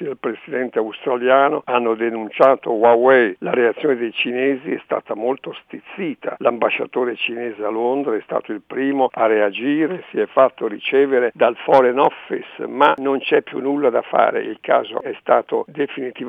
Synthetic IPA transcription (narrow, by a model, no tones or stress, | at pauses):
ialpɾesid̪ɛnt̪eaust̪ɾaljaːnoanːod̪enunt͡ʃaːt̪owawɛjlaɾeat̪sːjoːned̪ejt͡ʃineːziɛst̪a̰ːt̪amolt̪ost̪it̪sːiːt̪ʰa̰lambaʃːa̰t̪oːɾet͡ʃinɛːzealond̪ɾaɛst̪a̰ːt̪oilpɾiːmoaread͡ʒiːɾesiɛfːat̪ːoɾit͡ʃɛːveɾed̪alfɔɾenɔfːḭsmanont͡ʃɛpːjṵnːulːad̪afa̰ːɾḛʔilka̰ːzo̰ɛst̪aːt̪o̰d̪efinit̪iv